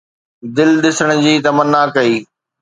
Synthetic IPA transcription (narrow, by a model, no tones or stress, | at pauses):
d̪ɪlɗɪsəɽ̃d͡ʑiːt̪ɐmənːaːkɐiː